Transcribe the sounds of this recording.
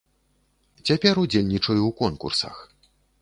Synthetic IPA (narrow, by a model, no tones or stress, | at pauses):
t͡sʲapʲɛɾud͡zʲelʲnʲit͡ʂɐjuwkɔnkṵrsɐ̰x